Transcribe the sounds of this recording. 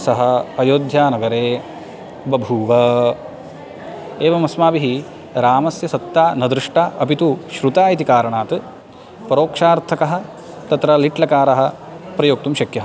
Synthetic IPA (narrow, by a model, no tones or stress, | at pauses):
sɐɦɐ̆ɐjoːd̪ʱjaːnɐɡɐɾeː | bɐbʱuːʋɐ | eːʋɐmɐsmaːbiɦi | ɾaːmɐsjɐsɐt̪ːaːnɐd̪ɾuʂʈaːʔɐpit̪uʃɾut̪aːjit̪ikaːɾɐɳaːt̪ɨ | pɐɾoːkʂaːɾt̪ʰɐkɐɦɐ̆ | t̪ɐt̪ɾɐliʈlɐkaːɾɐɦɐ̆ | pɾɐjoːk̚t̪umʃɐkjɐɦɐ